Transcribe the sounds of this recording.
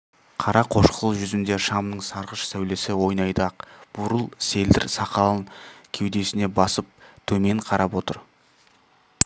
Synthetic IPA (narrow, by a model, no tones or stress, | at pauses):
qʰɑɾɑqʰo̞ʃqəlˠəʒʏzɪnd̪e̞ʃɑmnəɴsɑɾʁəʃsæwle̞sɪwo̞jnɑjd̪əɑqb̥ʊɾəlˠse̞ld̪ɪ̰ɾsɑqɑlˠəɴkʲʰe̞wd̪e̞sɪne̞bɑsəp̚t̪ʰɵme̞ɴqʰɑɾʔɑpwo̞t̪ə̰ɾ